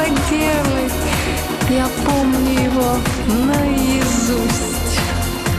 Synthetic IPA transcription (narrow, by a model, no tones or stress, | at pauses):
ɐdʲelˠɪtʲ | japomnʲʊjɪvo | nəjɪzusʲtʲ